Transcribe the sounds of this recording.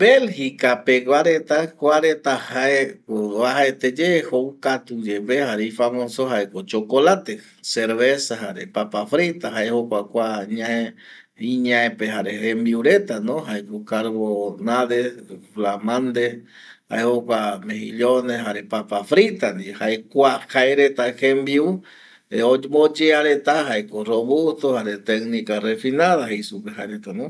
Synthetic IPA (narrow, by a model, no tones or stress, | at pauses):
belhikapeɡwaɾet̪akʷaɾet̪ahaekoβahaet̪ed͡ʒehowkat̪ud͡ʒeβehaɾeifamõsoɦaekot͡ʃokolat̪e | seɾβesaɦaɾepapafɾit̪aɦaehokʷakʷaɲãe | iɲãẽpehaɾehembiuɾe̞t̪anõɦaekokaɾβonaðeflamãnd̪e | ha̰ehokʷamehiʎoneɦaɾepapafɾit̪and̪ihaekʷakaeɾet̪ahembiu | eomod͡ʒeaɾet̪aɦaekoroβut̪ohaɾet̪eknĩkarefinaðaɦejsupeɦaeɾet̪anõ